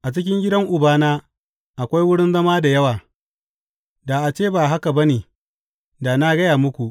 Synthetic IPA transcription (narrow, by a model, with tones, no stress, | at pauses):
ʔa˨t͡ʃɪ˦kʲɪ˦ŋɡʲɪ˦dɐ˦ŋʔʊ˨baː˦naː˦ | ʔa˨kʷa˦jwʊ˦ɽɪ˦nzɐ˦maː˦da˨jɐ˦waː˨ | da˨ʔa˨t͡ʃeː˦baː˨ɦa˦ka˨bɐ˦neː˨ | da˨na˦ɡɐ˦jaː˨mʊ˦kʷu˨ʔ